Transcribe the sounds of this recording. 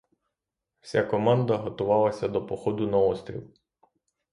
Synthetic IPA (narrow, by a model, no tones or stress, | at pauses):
w̥sʲakɔmɑnd̪ɐɦɔt̪ʊʋɑlˠɐsʲɐd̪ɔpɔxɔd̪ʊnɐɔst̪ʲɾʲḭlˠ